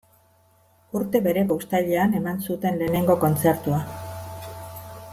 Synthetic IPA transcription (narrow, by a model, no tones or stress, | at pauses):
uɾt̪e̞βe̞ɾe̞ɣoust̪aʎeane̞mansut̪e̞nle̞ːne̞ŋɡo̞ko̞nt͡se̞ɾt̪ua